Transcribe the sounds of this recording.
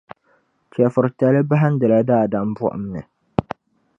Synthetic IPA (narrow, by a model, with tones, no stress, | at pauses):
t͡ʃɛ˨fʊ˨ɾta˨lɨ˦ba˦ɦa˦n˦dɨ˨la˦daː˦˨da˦m˦bʊ˦ʔʊ̰˦mnɨ˨